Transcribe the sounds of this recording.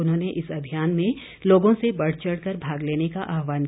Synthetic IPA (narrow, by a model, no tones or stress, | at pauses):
ʊnɦõːneʔɪsɐbʱijaːnmẽ | loːɡõsebɐɽ̤t͡ʃəɽkɐɾbʱaːɡleːnekaʔaːɦʋaːn